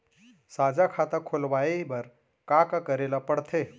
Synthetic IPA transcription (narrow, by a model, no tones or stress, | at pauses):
sad͡ʑakʰat̪akʰolʋajebəɾ | kakakəɾelapəɽt̪ʰe